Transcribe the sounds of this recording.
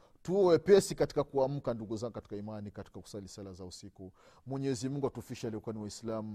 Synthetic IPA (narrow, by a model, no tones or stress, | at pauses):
tuwɛpɛsikati̥kakuam̩kanduɡuzaŋɡukati̥kaimanikati̥kaku̥salisalazausiku | mwɛɲɛɛzimuŋɡuatufiʃalɛɔkuaniwaislamu